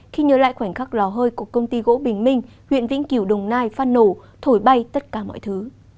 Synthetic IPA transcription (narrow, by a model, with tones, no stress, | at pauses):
xi˧ɲəː˨˦la̰ː˧˨jxwaː˧˩jŋ̟xa˦˥k̚lɔ˨˦ɦəː˧jku˧˨˩əkːə˧wŋ͡mt̪i˧ɣo̰˧˥ɓï˨˩ŋ̟mï˧ŋ̟ | hwḭ˧˨ənvḭ˧˥nki˧˩əwɗə˨˩wŋ͡mnaː˧jfaː˧nːo˧˩ | t̪ʰo˧˩jɓa˧jt̪ə˦˥t̚kaː˧˩mɔ̰˧˨jt̪ʰɨ˨˦